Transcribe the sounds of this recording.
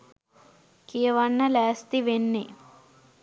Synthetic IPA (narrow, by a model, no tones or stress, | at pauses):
kiɐʋɐɳːɐlaːst̪iʋenːe